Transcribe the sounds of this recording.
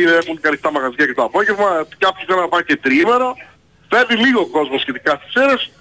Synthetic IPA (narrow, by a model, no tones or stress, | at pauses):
iexunkɐlist̪ɐmɐɣɐzʝɐcet̪oɐpo̞ʝevmɐcɐpçosɐlɐɐpɐce̞t̪ɾime̞ɾo̞ | feviliɣo̞ko̞zmo̞sçe̞t̪ikɐst̪i̥seɾes